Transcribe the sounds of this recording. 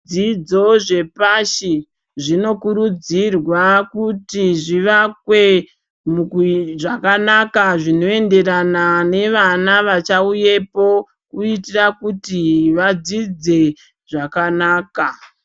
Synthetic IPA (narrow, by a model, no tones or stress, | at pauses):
d͡zid͡zo̞ʐe̞paʃi | ʐino̞kuɾud͡zirwakutiʐiʋakwe̞ | mukuʐakanakaʐino̞e̞nde̞ranane̞ʋanaʋat͡ʃauje̞po̞ | kuitirakutiʋad͡zid͡ze̞ | ʐakanaːka